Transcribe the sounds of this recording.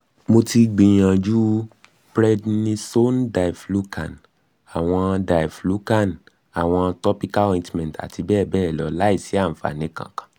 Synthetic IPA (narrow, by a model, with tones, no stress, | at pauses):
mo˧ti˧ɡ͡bĩ˨j̃ã˨d͡ʒu˦ | bɾɛ˦dnĩ˧so˦nda˨i˨flu˦ka˨n | a˨w̃ɔ̃˧da˨flu˦ka˦˨n | a˨w̃ɔ̃˧tɔ˦pi˦ka˦ɔ˧ĩ˧tmɛ̃˨ta̰˨tʰi˧bɛː˦˨bɛː˦˨lɔ˨˦la˦i˦˨si˨˦a˦˨m̩̃˨fa̰˨nĩ˨˦kã̰˨kḁ̃˨